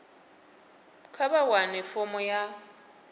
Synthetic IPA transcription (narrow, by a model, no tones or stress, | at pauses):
kʰabawanɪfɔmɔja